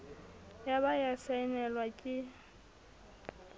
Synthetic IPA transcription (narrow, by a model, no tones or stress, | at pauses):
jaβajasaɪnɛlwakʼɪ